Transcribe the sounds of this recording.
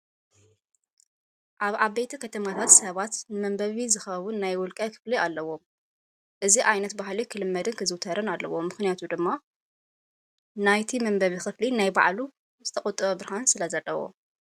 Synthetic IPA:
ʔaβʔaβejt̪ʰikʰɐt̪ʰɐmat̪ʰat̪sɐβat̪nɨmɐmbɐβizɨxɐwʊnːajwɔlkʼɐkʰɨ̥flialːɐwo̞m | ʔɨziʔajnɐt̪bahlikʰɨlɨmːɐd̪ɨnkʰɨzɨwt̪ʰɐɾɨnalːɐ̰womːɨxnijat̪ʰud̪ɨmːa | najt̪ʰimɐmbɐβixɨflinajba̰ʕlu | z̥ɨt̪ʰɐkʼɔt̪ʼɨβɐbɾhansɨlɐzɐlːɐwo̰

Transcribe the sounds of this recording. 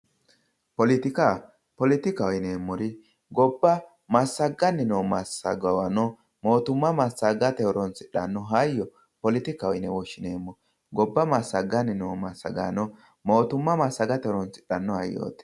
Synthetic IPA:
pɔlɪt̪ɪka | pɔlɪt̪ɪkɐwɔjneːmːɔɾɪ | ɡɔbːɐ | mɐsːɐɡɐnːɪnomɐsɐ̰ɡɐwɐnɔ | mo̞ːt̪ʊmːɐmɐsːɐɡɐt̪ɛɔɾɔnt͡sɪᶑɐnːɔɦɐjːɔ | pɔlɪt̪ɪkɐwɔjnɛwɔʃːɪneːmːɔ | ɡɔbːɐmɐsːɐɡɐnːɪnoːmɐsɐ̰ɡa̰nɔ | mo̞ːt̪ʊmːɐmɐsːɐɡɐt̪ɛɾɔnt͡sɪᶑɐnːɔhɐjːo̰ːt̪ɛ̥

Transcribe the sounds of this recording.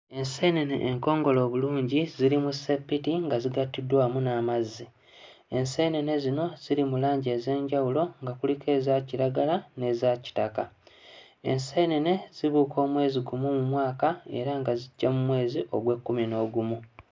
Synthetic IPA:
e̞nsenenḛʔːŋko̞ːŋɡo̞lo̞ːβuluːɲɟiziɾimusepːitiŋɡaziɡatːidwaːmunaːmazːi | e̞nse̞nene̞zino̞z̥iɾimulaːɲɟeːze̞ːɲɟawulo̞ŋɡakulikʰe̞ːzaciɾaɡalane̞zaci̥taka̰ | ḛnseinene̞z̥iβuːkʰo̞ːmwe̞ːziɡumumumwaːkae̞̰ɾaŋɡaziɟːamumwe̞ːziʔo̞ɡwe̞kːumino̞ːɡumu

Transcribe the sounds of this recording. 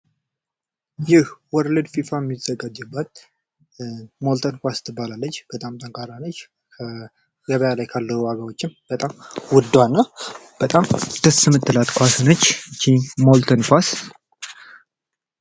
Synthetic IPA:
jɪhwɔɾlɨd̪fifamːiz̥əɡad͡ʒːɨbːat̪̚ | molt̪ʰənkʷast̪ʰɨbːalalːət͡ʃːb̥ət̪ʼamt̪ʼəŋkʰʼaɾanət͡ʃː | kʰə | jəβəjalajkʰalːəhuwaɡəwot͡ʃːɪmb̥ət̪ʼamwʊd̪ːwanːəb̥ət̪ʼamd̪̥ɨsɨmɨt̪ːɨlat̪ʼkʰʷasɨnət͡ʃːt͡ʃʰimolt̪ʰənkwas

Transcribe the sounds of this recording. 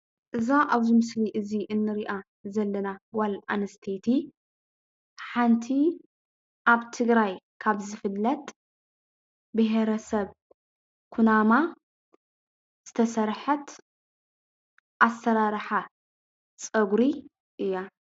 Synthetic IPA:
ʔɨzaʔaβzimɨsliʔɨziʔɨnːɨɾiʔa | zɐlːɐnawalʔanɐst̪ʰet̪ʰi | ħant̪ʰi | ʔaβt̪ʰɨɡɾaj | kʰaβzɨfɨlːɐt̪ʼ | bɨɦeɾɐsɐβ | kʰunama | z̥ɨt̪ʰɐsɐɾħɐt̪ | ʔasːɐɾaɾħa | t͡sʼɐɡɾi | ʔɨjːa

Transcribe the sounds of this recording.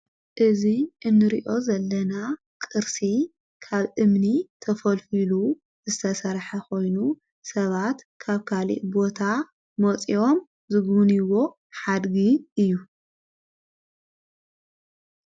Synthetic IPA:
ʔɨziʔɨnːɨɾiʔo̞zɐlːɐna | kʼɨɾsi | kʰaβʔɨmnit̪ʰɐfɐlfilu | zɨt̪ʰɐsɐɾħɐko̞jnu | sɐβat̪ | kʰaβkʰalḭʔbo̞t̪ʰa | mot͡sʼio̞m | zɨɡuniwo̞ | ħad̪ɡiɨjːu

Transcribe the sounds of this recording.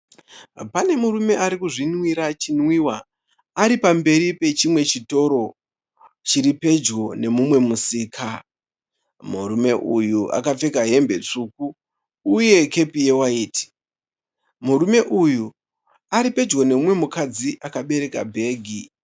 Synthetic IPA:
pane̞muɾume̞ʔaɾikuʐinwiɾat͡ʃinwiwa | aɾipambe̞ɾipe̞t͡ʃimwe̞t͡ʃito̞ɾo̞ | t͡ʃiɾipe̞d͡ʒɡo̞ne̞mumwe̞musiːkʰa | muɾume̞ʔujuʔa̰kap͡fe̞kaɦe̞mbe̞t͡ʂukuː | je̞ke̞pije̞waiːti̥ | muɾume̞ʔuju | aɾipe̞d͡ʒɡo̞ne̞mumwe̞mukad͡ziʔakaɓe̞ɾe̞kabʱe̞ːɡʱi

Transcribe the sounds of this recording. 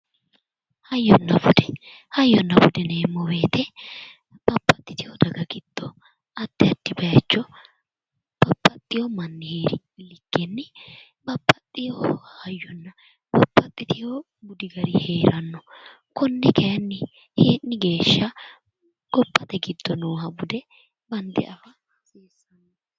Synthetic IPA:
hɐjːɔnːɐbʊd̪ɛ̥ | hɐjːɔnːɐbʊd̪ɛneːmːɔbeːt̪ʰɛ | b̥ɐpʼːɐt̪ʼːɪt̪ɪjɔd̪ɐɡɐɡɪd̪̥ːɔ | ɐd̪̥ːɪɐd̪̥ːɪbɐjɐt͡ʃːɔ | b̥ɐpʼːɐt̪ʼːɪjɔmɐnːɪheːɾɪ | lɪɡ̥ːɛnːɪ | bɐpʼːɐt̪ʼːɪjɔajːɔnːɐ | bɐpʰʼːɐt̪ʼːɪt̪ɪjɔ | bʊd̪ɪɡɐɾɪhe̞ːɾɐnːɔ | kɔnːɛkɛjɐnːɪ | heːʔɪɡe̞ːʃːɐ | ɡ̥ɔpʼːɐt̪ɛɡɪd̪ːɔnuːɦɐbʊd̪ɛ | bɐnd̪ɛ̰ʔɐfɐ | seːsːɐnːɔ

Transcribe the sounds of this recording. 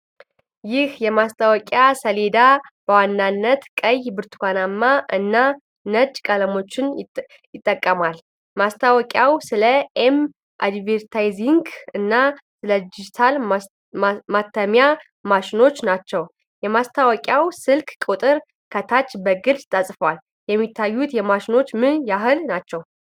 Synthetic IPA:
jɪhjɛmast̪ʰʼawɔkʼjasəle̞d̪ab̥əwanːanːət̪kʼəjbɨɾt̪ʰu̥kʰʷanamːaʔɨnːa | nəd͡ʒʼkʼələmo̞t͡ʃːɪn | jɪt̪ʼːəkʼːəmal | mast̪ʰawɔkʼjawsɨləʔem | ʔa̰d̪veɾt̪ʰajziŋɡɨnːasɨləd̪ɪd͡ʒit̪ʰal | mat̪ʰːəmja | maʃɪno̞t͡ʃːnat͡ʃːɛw | jɛmast̪ʰawɔkʼjawsɨlkʼkʼut̪ʼɨɾ | kʰət̪ʰat͡ʃːbəɡɨlt̪ʼasʼfəwal | jɛmːit̪ʰːajːut̪jɛmaʃɪno̞t͡ʃːmɨnjaɦɨlnat͡ʃːɛw

